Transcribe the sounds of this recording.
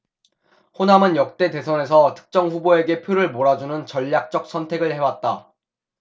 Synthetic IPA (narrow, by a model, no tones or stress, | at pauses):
honɦamɯnjʌk̚t͈e̞te̞sʰʌne̞sʰʌtʰɯ̥k̚t͡ɕ͈ʌŋɸuboe̞ɡe̞pʰjoɾɯɭmoɾad͡ʑunɯnt͡ɕʌʎːak̚t͡ɕ͈ʌk̚s͈ʰʌntʰe̞ɡɯɭhe̞wat̚t͈a